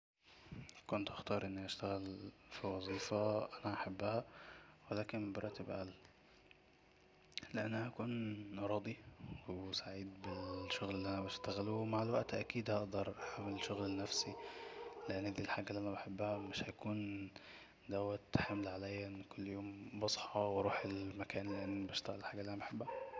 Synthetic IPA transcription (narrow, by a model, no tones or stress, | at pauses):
kont̪ʔaxt̪ɑːɾˤʔɪnːiʔaʃt̪æɣælfiwɑzˤiːfɑʔænæʔaħabːæhæwelæːkenmbɑɾˤɑːʔt̪ebʔæ̰l | leʔanːæhæʔækuːnʔɑɾˤɑːd̪ˤiwsaʕiːd̪bɪlʃːoɣlelːiːʔænæbæʃt̪æɣælumaʕalwæʔt̪ʔækiːd̪hɑʔd̪ɑɾˤʔaħamːelʃoɣlenːæfsileʔenːæd̪iːlħaːɡælːiʔænæbeħebːæhæmɪʃhækuːn | d̪æwæt̪ħamlʕalæjːæʔenːkʊlːjoːmbɑsˤħɑwɾˤuːħelmækæːnlːiʔenːbæʃt̪æɣælælħaːɡælːiʔænæbeħebːæhæ